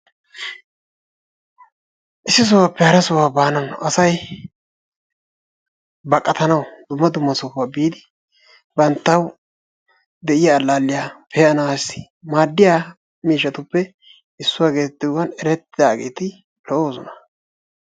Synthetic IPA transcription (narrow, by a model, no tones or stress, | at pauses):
ʔɪsːɪs̬ɔwapːɛhɐɾɐsɔwaːbaːnɐnʔɐsɐj | bɐkʼːɐt̪ɐnɐwd̪ʊmːɐd̪ʊmːɐsɔfaːbiːd̪ɪ | bɐnt̪ːɐw | d̪ɛʔɪjaːlːaːlːɪjaːpʰɛːɐnɐwasɪ̥ | maːd̪ːɪjaː | miːʃ̬ːɐt̪ʊpːɛ | ɪsːʊwaːɡe̞ːt̪ːɪwɐnɛɾɛt̪ːɪd̪aːɡe̞ːt̪ɪ | lɔʔoːzɔnɐ